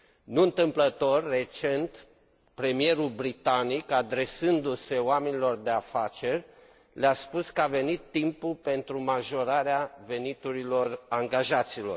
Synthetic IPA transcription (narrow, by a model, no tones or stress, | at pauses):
nuɨnt̪ɨmplət̪o̞rːe̞t͡ʃe̞nt̪ | pɾe̞mije̞ɾulbɾit̪anikad̪ɾe̞sɨnd̪use̞wame̞nilo̞rd̪e̞afat͡ʃe̞rʲ | leaspuskəave̞nit̪ːimpulpe̞nt̪ɾumaʒo̞ɾaɾeave̞nit̪uɾilo̞raŋɡaʒat̪silo̞̰r